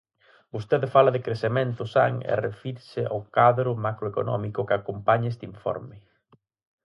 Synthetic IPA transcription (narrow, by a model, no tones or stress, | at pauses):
bost̪eðɪfalɐðɪkɾeθemẽnt̪ʊsa̰ŋɛ̰refiɾsɪa̰wkaðɾʊmakɾoeko̰nɔ̰mikʊkɪakompaɲaest̪iɱfɔ̰ɾmɪ